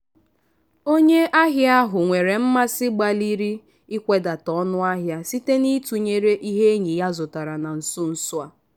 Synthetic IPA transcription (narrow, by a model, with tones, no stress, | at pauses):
o˦ɲe˦ʔa˦ɦja˦ɦʊ˨ŋʷe˨ɾe˨m̩˦ma˦sɪ˦ɡ͡ba˦li˦ɾi˦ | ɪ˦kʷe˦da˨tɔ˦nʊ˦a˦ɦja˦si˦te˦ni˦tu˨ɲe˦ɾe˦ʔi˦ɦe˦e˦ɲi˨ja˦zʊ˨ta˨ɾa˨na˨n̩˨sʊ˦n̩˨sʊ˦a˨